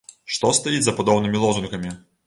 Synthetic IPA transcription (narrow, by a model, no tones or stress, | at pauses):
ʂt̪ɔst̪ajid͡zʲzɐpad̪ɔwnɨmʲilˠɔzunkɐmʲi